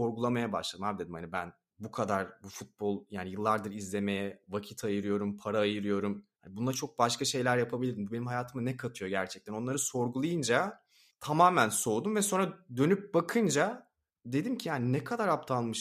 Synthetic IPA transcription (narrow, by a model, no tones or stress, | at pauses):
o̞ɾɡulˠamajabaʃlˠad̪ɯmhabid̪ed̪imhanibæn | bukʰad̪aɾbufut̪̚bo̞lˠjaːnijɯlˠːaɾd̪ɯɾizlʲe̞mejɛvacʰit̪ʰajɯɾɯjo̞ɾumpʰaɾaːjɯɾɯjo̞ɾumhhanibunˠat͡ʃʰo̞k̚baʃkʰaʃe̞jlʲæɾjapʰabilʲiɾd̪imbubenimɦajaːt̪ʰɯmɯnɛkʰat̪ʰɯjo̞ɟæɾt͡ʃʰɛc̚t̪ʰæno̞nlˠaɾɯso̞ɾɡulˠajɯnd͡ʒa | t̪ʰamaːmænso̞ːd̪umvɛso̞nɾad̪ø̞nyp̚bakʰɯnd͡ʒa | d̪e̞d̪imcʰijaːninɛkʰad̪aɾapt̪ʰanˠmɯʃ